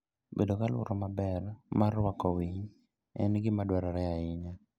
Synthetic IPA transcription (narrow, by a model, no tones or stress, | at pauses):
bedokalwʊ̰ɾɔmabɛrmarwakɔwiɲ | ɛnɡɪmadwɛɾaɾɛaɪɲa